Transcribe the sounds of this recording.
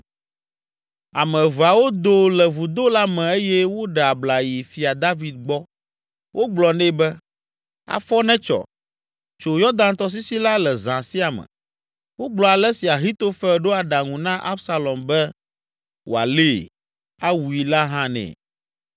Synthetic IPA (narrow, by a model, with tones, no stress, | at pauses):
a˨mɛ̃˨va˨wo˦d̪o˦lɛ˨vu˨d̪o˦la˦mɛ̃˨e˦jɛ˦wo˦ɖɛ˨a˨bla˨ji˨fi˨a˨d̪a˦vi˨d̪̚ɡ͡bɔ˦ | wʔo˦ɡ͡blɔ˨nɛ̃˦bɛ˦ | a̰˨fɔ˦nɛ̃˦t͡ʃɔ̰˨ | t͡ʃo˨jɔ˦d̪ã˦nt̪ɔ˦s̬i˦si˦la˦lɛ˨zã˨si˦a˨mɛ̰̃˨ | wo˦ɡ͡blɔ˨a˨lɛ˦si˨a˨ɦi˦t̪o˦fɛ˦ɖo˦a˨ɖa˨ŋũ˨nã˦ʔa˦bsa˦lɔ˨mbɛ˦ | wo̰˨a̰˨le˦˨ | a˦wu˨i˨la˦ɦã˦nɛ̰̃˨